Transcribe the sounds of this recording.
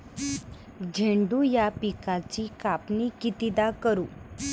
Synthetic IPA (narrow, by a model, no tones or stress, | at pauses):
d͡ʑʱeɳɖuːjapikat͡ɕiːkapnikit̪id̪akəɾuː